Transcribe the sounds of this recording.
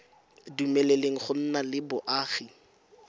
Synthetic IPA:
dumɛleleŋ̩χʊn̩nalɪbʊʔaːχi

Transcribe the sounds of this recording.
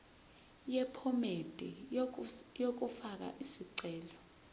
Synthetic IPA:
jɛpʰɔmed̥ʱʼɛ | jok̬ufak̬a̰ʔisiǀɛːlɔ

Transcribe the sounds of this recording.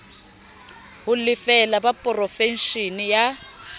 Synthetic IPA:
ɦʊlɪfɛlabapʼɔrɔfɛnʃinija

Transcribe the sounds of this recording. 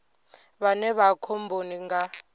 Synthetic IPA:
βanɛβakʰɔmbʱoniŋɡa

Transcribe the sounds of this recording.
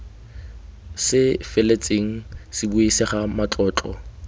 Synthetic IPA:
sɪfɪlet͡sʼeŋ̩sɪbuisɪχamat͡ɬʼɔːt͡ɬʼɔ̰

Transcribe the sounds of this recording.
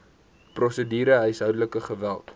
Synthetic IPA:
prɔsədiːɾəɦœjsɦœwdələkəχəvælˠt

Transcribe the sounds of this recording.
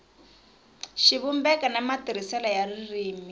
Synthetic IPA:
ʃiβumbɛkanamatiɾ̤isɛlajaririːmi

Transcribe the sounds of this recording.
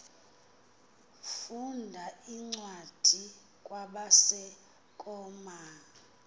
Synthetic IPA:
fundʱaiŋ͡ǀwad̥ʱi | kʼwaɓasɛ | kʼɔma

